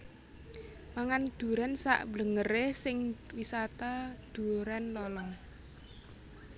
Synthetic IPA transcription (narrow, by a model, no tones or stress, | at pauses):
maŋand̪̥ṳɾɛnsa̰ʔbləŋəresɪŋwisat̪ad̪̥ṳɾɛnlɔlɔŋ